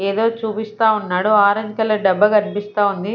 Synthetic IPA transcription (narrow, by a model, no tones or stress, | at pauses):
eːd̪o̞ːt͡ʃuːpist̪aːunːaːɽuaːɾɐŋkɐlɐɖɐbːɐɡɐnpist̪aːund̪i